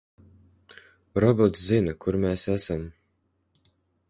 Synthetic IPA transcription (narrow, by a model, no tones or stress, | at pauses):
ɾɔbɔt̪szinakʰuɾmʲeːsæsam